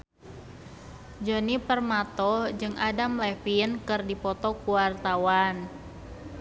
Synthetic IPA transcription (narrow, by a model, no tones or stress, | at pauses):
d͡ʒonipərmat̪ɔd͡ʒɨŋʔadamlɛfinkɨrdipɔt̪ɔkuwart̪awan